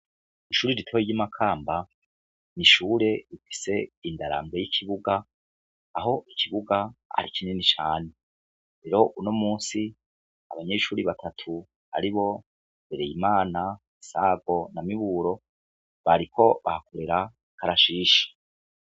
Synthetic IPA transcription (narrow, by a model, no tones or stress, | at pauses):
iʃuːɾiɾitʰojiɟimakʰaːmba | niʃuːɾe̞ifi̥se̞indaɾa̰ːmbejikʰiβuɡaː | ɦo̞ʔikʰiβuɡaa̰ɾikʰinenit͡ʃaːne̞ | ɾe̞ɾo̞ʔuno̞muːnsi | a̰βaɲe̞ːʃuːɾiβatʰatʰu | a̰ɾiβo̞ | beɾejimaːna | isaːɡo̞namiβuːɾo̞ | βaɾikʰo̞βa̰hakoɾeɾa | kaɾaʃiːʃe̥